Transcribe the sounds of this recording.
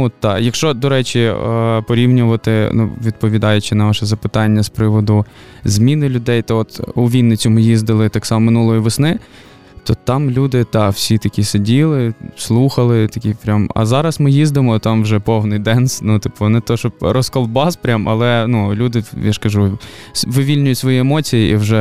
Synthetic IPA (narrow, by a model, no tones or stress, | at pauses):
ɔt̪ːɑjɐkʃt͡ʃɔd̪ɔɾɛt͡ʃʲipɔɾʲiwnʲʊʋɐt̪ɪnṵʋʲid̪̚pɔʋʲid̪ɑjʊt͡ʃɪnɐʋɑʃɛzɐpɪt̪ɑnʲːɐspɾɪʋɔd̪ʊ | zmʲinɪlʲʊd̪ɛjt̪ɐɔt̪uʋʲinːɪt͡sʲʊmɪjizd̪ɪlˠɪt̪ɑksɑmɔmɪnulˠɔjiʋɪsnɪ | t̪ɔt̪ɑmlʲud̪ɪt̪ɑwsʲit̪ɐkʲisedʲilˠɪslˠuxɐlˠɪt̪ɐkʲipɾʲamɐ̰zɑɾɐsmɪjizd̪ɪmɔt̪ɑmwʒɛpɔwnɪjd̪ɛnsnut̪ɪpɔnɛt̪ɔʃɔpɾɔskɔlˠbɑspɾʲamɐ̰lˠɛnulʲud̪ɪjaʃkɐʒu | ʋɪʋʲilʲnʲʊjʊtʲsʋɔjiɛmɔt͡sʲijiʔiwʒɛ